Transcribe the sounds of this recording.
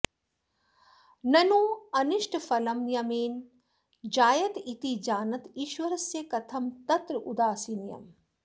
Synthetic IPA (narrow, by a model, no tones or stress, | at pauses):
nɐnuːɐniʃʈfɐlɐmjɐmeːn | d͡ʒaːjɐt̪it̪id͡ʒaːnɐt̪iːʃwɐɾɐsjɐkɐt̪ʰɐmt̪ɐt̪ɾud̪aːsiːnjɐ̰m